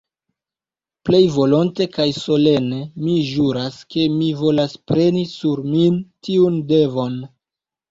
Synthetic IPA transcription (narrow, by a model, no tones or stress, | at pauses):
ple̞jvo̞lonte̞kajso̞le̞ne̞miʒuɾaske̞mivo̞laspɾe̞nisuɾmintiunde̞vo̞n